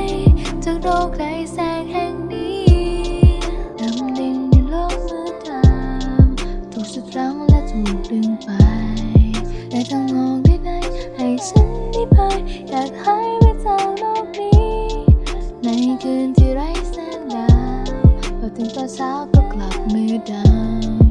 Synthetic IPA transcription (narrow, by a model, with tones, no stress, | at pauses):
jt͡ɕa˧˩k̚ɾoː˧˩k̚da˧˥jsɛː˧˩k̚hɛ˧˩ŋdiː˧˦ | d̪aː˨˧˩ma˧li˧ŋni˧loː˧˩k̚sɯː˧˦t̪ʰa˧mt̪ʰo˨˩k̚su˨˧˩t̪̚ɾa˧˥ŋlɛ˧˥tu˨˩˨dɯ˧ŋpa˧ | laː˨˧˩t̪ʰa˧ŋnɔː˧˩ŋ̚t̪ʰi˧˩da˧˩jha˨˩jt͡ɕʰa˧˥nniː˧˩pʰa˧jjaː˨˩k̚ha˧˥jma˧˩sa˧˩wloː˧˩k̚niː˥˦ | na˧˥jkɯː˧nt̪ʰi˧˩ɾa˧˥jsaː˧˩n̚ɡaː˧mpʰɔː˧˩t̪ʰɯ˧˦ŋt̪ɔː˧t͡ɕʰaː˦˥wkɔː˧˩kla˨˩p̚mɯː˧da˧˩